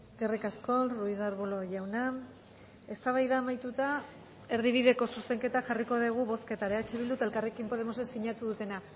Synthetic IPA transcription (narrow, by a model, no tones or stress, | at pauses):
eske̞rikasko̞ruiðaɾβolo̞ʝawna | e̞st̪aβajðaːmajt̪ut̪a | e̞ɾðiβ̞iðe̞ko̞suse̞ŋke̞t̪aʝariko̞ðiɣ̞uβo̞ske̞t̪aɾeat͡ʃeβild̪ut̪ae̞lkarekimpo̞ð̞e̞mo̞sesiɲat̪uðut̪e̞na